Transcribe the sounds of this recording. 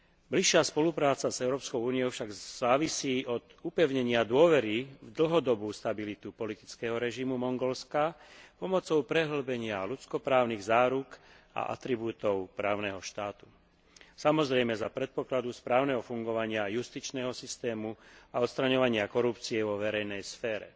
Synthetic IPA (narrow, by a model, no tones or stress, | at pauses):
bliʃːɪaspɔlupɾaːt͡sazɛʊɾɔːpskɔʊuːnijɔʊfʃaɡz̥aːʋisiːʔɔd̪upɛʊɲɛɲɪad̪ʊɔʋɛɾivd̪l̩ɦɔd̪ɔbuːst̪abilit̪upɔlit̪i̥t͡skɛɦɔɾɛʒimumɔŋɡɔlskapɔmɔt͡sɔʊpɾɛɦl̩bɛɲɪalut͡skɔpɾaːʊniɣzaːɾuk | a̰ʔa̰t̪ɾibuːt̪ɔʊpɾaːʊnɛɦɔʃt̪aːt̪u̥ | samɔzɾɛjmɛzapɾɛt̪̚pɔklad̪uspɾaːʊnɛɦɔfuŋɡɔʋaɲɪajust̪it͡ʃnɛɦɔsist̪ɛːmuaɔt̪st̪ɾaɲɔʋaɲɪakɔɾupt͡siɛʋɔʋɛɾɛjnɛjsfɛːɾɛ̰